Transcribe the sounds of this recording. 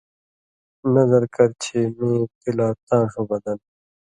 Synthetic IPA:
nʌzəɾkɐɾt͡ɕʰeːmẽːt̪ilaːt̪ãːʂubɐd̪ɐn

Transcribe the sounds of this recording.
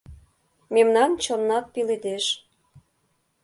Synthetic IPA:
memnɑnt͡ɕɤ̆nːɑt̪̚piled̪eʃ

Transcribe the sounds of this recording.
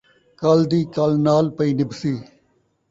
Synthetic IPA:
kəld̪iːkəlnaːlpəiːnɪbsiː

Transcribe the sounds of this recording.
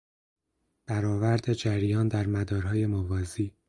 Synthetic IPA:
b̥æɾɒːvæɾd̪e̞d͡ʒæɾjɒːnd̪æɾmæd̪ɒːɾɦɒːje̞movɒːziː

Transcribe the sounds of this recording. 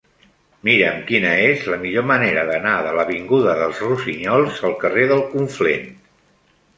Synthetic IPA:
miɾəmkinəezləmiʎoməneɾəðənaðələβiŋɡuðəðəlˠzruziɲɔlˠzəlˠkəreðəlˠkuɱflḛn

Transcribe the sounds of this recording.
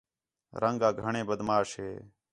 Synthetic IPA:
ɾʔəŋɡaːɡʱəɳẽːbəd̪maːʃɦeː

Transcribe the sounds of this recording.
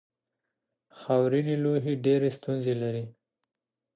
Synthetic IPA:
xawɾiniloɦeɖeɾest̪unzelaɾi

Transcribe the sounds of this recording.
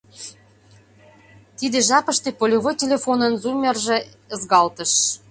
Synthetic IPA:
t̪id̪eʒɑpəʃt̪ĕpolʲoβojtʲelʲefonənzumʲerʒĕ | əzɣɑlt̪ə̆ʃ

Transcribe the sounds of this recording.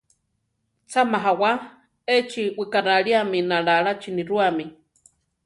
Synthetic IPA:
t͡sʰamaɦawa | et͡ʃiwikaɾaɺiaminaɺaɺat͡ʃiniɾuami

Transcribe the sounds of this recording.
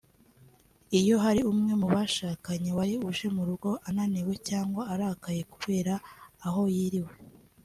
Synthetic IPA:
ijo̞ɦaɾiumŋe̞muβaʃaːkaɲe̞waɾiuʒe̞muɾuɡo̞ʔananiwe̞caːŋɡwaaɾakaje̞kuβe̞ːɾaːɦo̞jiɾiwe̞

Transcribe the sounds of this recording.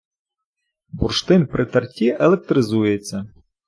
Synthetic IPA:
burʃt̪ɪnpɾʔɪt̪ɐrtʲiʔelˠek̚t̪ɾɪzujet͡sʲːɐ

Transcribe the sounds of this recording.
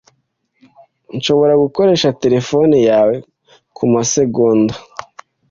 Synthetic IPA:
nʃo̞βo̞ɾaɡuko̞ɾe̞ːʃate̞ɾe̞fo̞nijaːwe̞ | kʰumase̞ɡoːnda

